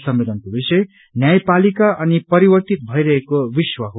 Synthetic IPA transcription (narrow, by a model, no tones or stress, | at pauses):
sʌmelʌnkobisʌj | njajpalikaʔʌnipʌɾibʌrt̪it̪̚bʱʌiɾʌɦekobiswʌɦo